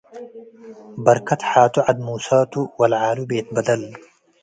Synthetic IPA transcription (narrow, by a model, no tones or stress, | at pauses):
bɐɾkʰɐt̪ħaːt̪uʕɐd̪̚muːsaːt̪uwɐlʕaːlubeːt̪̚bɐd̪ɐl